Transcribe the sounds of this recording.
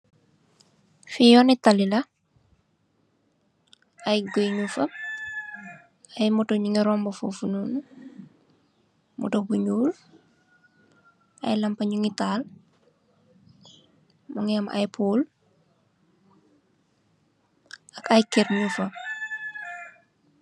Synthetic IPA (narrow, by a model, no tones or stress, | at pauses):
fijɔnitɐlilɐ | ajɡojɲufɐ | ajmutoɲiŋiɾɔmbofofunun | mṵtobuɲuːl | a̰jlɐmpɐɲuŋital | moŋiama̰jpuːl | ɐkɐjkeɾɲufɐ